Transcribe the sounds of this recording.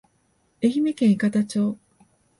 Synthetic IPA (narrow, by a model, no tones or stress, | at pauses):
e̞çime̞kẽ̞ɰikat̪at͡ɕo̞ː